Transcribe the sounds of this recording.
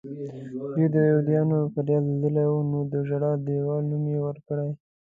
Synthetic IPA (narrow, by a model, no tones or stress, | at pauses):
d̪wid̪əjod̪jɑnofaɾjɑzed̪əlawunod̪əʒaɽɑd̪əwanumewəɾkəɽaj